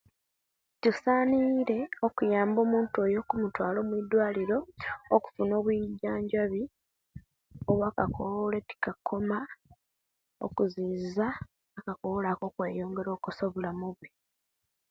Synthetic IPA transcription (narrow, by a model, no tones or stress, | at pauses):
tusaːniɾe̞o̞kujaːmbo̞ːmuːntuo̞jo̞kumutwaːlo̞ːmwidwaːliɾo̞ːku̥funo̞ːβwiɟːaːɲɟaβi | oβwaːkakʰoβole̞ti̥kakʰːo̞ma | o̞̰kuziːzaː | kakoβolako̞kwe̞ːjo̞ːŋɡe̞ɾo̞ːkusoβulamuβwe